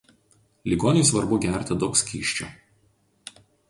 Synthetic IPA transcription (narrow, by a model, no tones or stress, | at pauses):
lʲiɡoːnʲɪjsʋɐɾbʊɡʲæɾʲt̪ʲɪd̪okskʲiːʃʲt͡ʃʲʊ̰